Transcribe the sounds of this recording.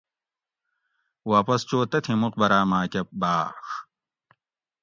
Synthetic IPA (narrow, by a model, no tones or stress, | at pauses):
waːpɐst͡ɕoːt̪ɐt̪ʰimuq̚bɐɾaːmaːkʲɐp̚baːx